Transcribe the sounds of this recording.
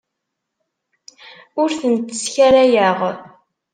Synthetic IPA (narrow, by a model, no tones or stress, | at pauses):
ʊɾθənt̪ːə̥sçæɾæjəʁ